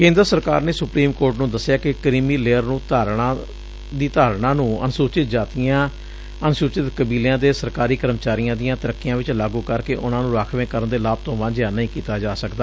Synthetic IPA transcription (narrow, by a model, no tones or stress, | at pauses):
kẽːnd̪əɾsəɾkaːɾneːsʊpɾiːmkoːɾʈnũːd̪əsːjaːkɪkəɾiːmiːleːəɾnũːt̪aːɾɳãː | d̪iːt̪aːɾɳãːnũːə̰nsuːt͡ʃɪt̪d͡ʒaːt̪ijãː | ənsuːt͡ʃɪt̪kəbiːlãːd̪eːsəɾkaːɾiːkəɾəmət͡ʃaːɾijãːd̪ɪjãːt̪əɾəkːijãːʋɪt͡ʃlaːɡuːkəɾkeːʔʊnãːnũːɾaːkʰʋẽːkəɾənd̪eːlaːb̚t̪õːʋãnd͡ʒjaːnəɦĩːkiːt̪aːd͡ʒaːsəkd̪aː